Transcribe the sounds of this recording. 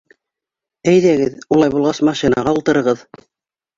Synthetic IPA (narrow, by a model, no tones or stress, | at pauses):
æjðæɡɘðulˠɑjβulˠʁɑsmɑʃinɑ̰ʁɑulˠt̪ɤ̆ɾɤ̆ʁɤð